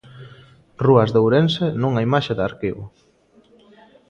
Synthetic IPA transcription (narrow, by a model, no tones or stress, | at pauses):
ruɐzðowɾensenõŋaimaʃeðaɾkiβʊ̰